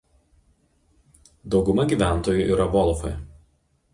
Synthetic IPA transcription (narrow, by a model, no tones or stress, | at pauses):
d̪ɒʊɡʊmɐɡʲiːˑʋʲæˑnˑt̪oːjuˑʔiːɾɐʋɔlˠfɐj